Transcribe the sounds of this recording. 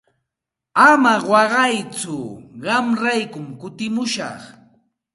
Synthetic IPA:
amawɑɢɑjt͡sʊɢɑmɾajkʊmkʊt̪ɪmʊʃɑ̰χ

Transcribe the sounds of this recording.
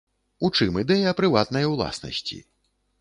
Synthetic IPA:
ut͡ʂɨmɨd̪ɛjɐɐpɾɨvat̪nɐjɐwlˠa̰snɐ̰sʲt͡sʲḭ

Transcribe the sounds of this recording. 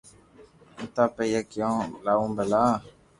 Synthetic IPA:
n̩t̪apɛjɛkiɔ̃lawũbəla

